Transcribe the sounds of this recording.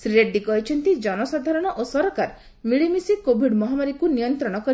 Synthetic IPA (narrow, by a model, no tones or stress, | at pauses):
sɾiɾeɖːikɔɦit͡ʃʰɔnt̪id͡ʒɔnɔsad̪ʱaɾɔɽ̃ɔʔosɔɾɔkaɾ | miɭimisikobʱiɖmɔɦamaɾikunijɔnt̪ɾɔɽ̃ɔkɔɾi